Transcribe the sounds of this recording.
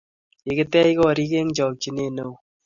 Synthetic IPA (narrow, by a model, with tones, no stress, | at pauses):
ɪ˨kɪ˦tɛ˦i˦kɔ˦˨ɾi˦ke˦ŋt͡ʃɔ˨k̚t͡ʃi˦ne˦no˦˨w